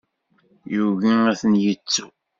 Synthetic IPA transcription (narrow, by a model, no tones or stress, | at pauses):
juʝiæθənjət͡sːu